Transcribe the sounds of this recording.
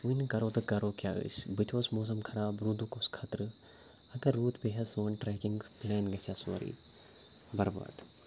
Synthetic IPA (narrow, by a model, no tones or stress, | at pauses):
unkɐɾoːt̪ɐkɐɾoːkʲjaːḭsʲbɨt̪ʰoːsmoːs̬ɐmkʰɐɾaːbɾud̪ukoskʰɐt̪ɾɨ | ɐkɐɾːuːt̪peɦɐsoːnʈɾɛːkɪŋɡplɛːnɡɐsjaso̰ɾḭː | bɐɾba̰ːd̪